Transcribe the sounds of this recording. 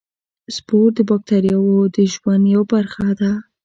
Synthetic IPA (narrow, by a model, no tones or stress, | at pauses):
spoɾ̚d̪əbɑk̚t̪aɾjawod̪əʒwand̪jawbaɾxad̪a